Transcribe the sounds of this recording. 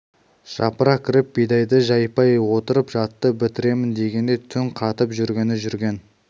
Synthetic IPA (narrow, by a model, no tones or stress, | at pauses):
ʒ̥ɑ̰pəɾɑkʲʰɪɾɪp̚bejd̪ɑjd̪əʒɑjpɑjwo̞t̪əɾəpʒɑt̪ːəbɪt̪ɪɾe̞mɪnd̪e̞ɡʲe̞nd̪e̞jt̪ʰʏŋqʰɑt̪əpʒʏɾɡʲe̞nɪʒʏɾɡʲe̞n